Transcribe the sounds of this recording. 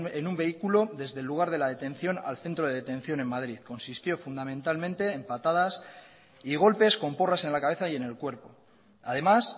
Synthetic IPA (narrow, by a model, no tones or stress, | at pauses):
enumbe̞ikulo̞ðe̞zðe̞lːuɣ̞aɾð̞e̞lað̞e̞t̪ẽ̞nθjo̞na̰lθe̞nt̪ɾo̞ð̞ee̞t̪e̞nθjo̞ne̞mmaðɾiðko̞nsist̪jo̞fund̪amẽnt̪almẽnt̪e̞ːmpat̪aðas | iɣ̞o̞lpe̞sko̞mpo̞rase̞nlakaβe̞θaje̞ne̞lkwe̞ɾpo̞ | að̞e̞mas